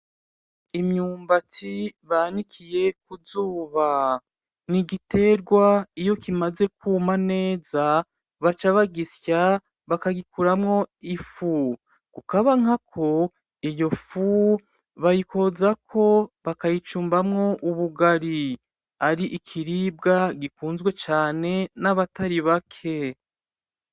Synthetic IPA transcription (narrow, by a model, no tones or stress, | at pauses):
imɲuːmbatiβanikʰije̞k̚uzuːβa | niɡite̞ɾɡwaijo̞kimaze̞kumane̞ːza | βat͡ʃaβaɡisja | βakaɡikuɾamŋo̞ifu | kukaβaŋakʰo̞ | ijo̞fu | βajiko̞zakʰo̞βakajit͡ʃuːmbamŋo̞ʔuβuɡaɾi | aɾiʔikʰiɾib̚ɡaɡikuːnzɡwe̞t͡ʃaːne̞naβataɾiβakʰe̞